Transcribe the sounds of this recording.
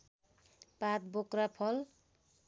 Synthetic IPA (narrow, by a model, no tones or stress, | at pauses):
pat̪̚bokrapʰʌl